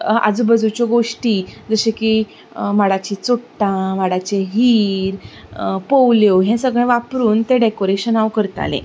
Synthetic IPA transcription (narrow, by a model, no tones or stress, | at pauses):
a̰d͡zubəd͡zut͡ɕjɔɡoʂʈiːd͡zəɕeki | maɽat͡ɕit͡soʈʈːãmaɽat͡ɕeɦiːɾ | powljoɦɛ̃səɡɭɛ̃ʋapɾuːnt̪eɖekoɾeɕənawkəɾt̪a̰lḛ̃